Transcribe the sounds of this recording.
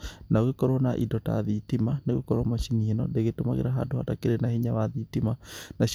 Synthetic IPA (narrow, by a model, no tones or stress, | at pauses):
naɣekɔɾɔnaʔidɔta̰ðitimaneɣekɔɾɔmaʃinienɔ̰deɣetomaɣḛɾaɦa̰doha̰takeɾenahiɲawaðitimanaɕ